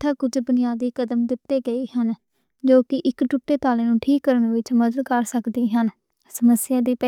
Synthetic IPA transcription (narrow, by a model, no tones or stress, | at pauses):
t̪ʰaːkʊd͡ʒbʊnɪjaːd̪iːkəd̪əmd̪ɪt̪ːeːɡəiːhən | d͡ʒoːkɪʔɪkʈʊʈːeːt̪aːlẽːnũːʈʰiːkːəɾənʋɪt͡ʃməd̪əd̪kəɾsəkd̪iːɦən | səməsɪjãːd̪iːpɛ